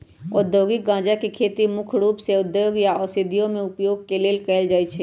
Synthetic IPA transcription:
ɔ̰ːɾd̪ʱjoːɡɪk̚ɡãːd͡ʒakekʰeːt̪imʊkʰɾuːpseʊd̪joːɡjaɔsɪd̪ʱijõmẽʊpjoːɡ̚keleːlkəɪld͡ʒaːet͡ʃʰɛː

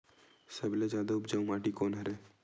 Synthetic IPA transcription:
səbled͡ʒjaːd̪aʊpd͡ʒaũmaːʈikoːnɦɐɾeː

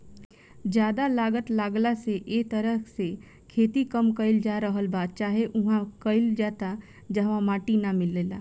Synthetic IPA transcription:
d͡ʒjaːd̪alaːɡət̪laːɡlaseʔeːt̪əɾəse | kʰeːt̪ikəmkəɪld͡ʒaːɾəɦəlbaːd̪̚t͡ʃaːɦeʔʊɦãkəɪld͡ʒaːt̪a | d͡ʒɐɦʋãmaːʈinamɪlːeːla̰ː

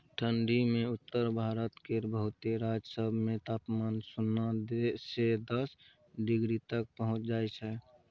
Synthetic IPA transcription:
ʈʰəɳɖimẽʊt̪ːəɾbʱaːɾət̪keɾbəɦʊt̪eɾad͡ʒsəbʱmẽt̪aːpmaːnsʊnad̪esed̪əs | ɖɪɡɾit̪ək̚pəɦʊ̃t͡ʃd͡ʒaːet͡ʃʰɛ

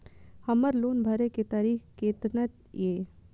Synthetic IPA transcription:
həmːəɾloːnbʱəɾeket̪aːɾiːkket̪nət̪ | je

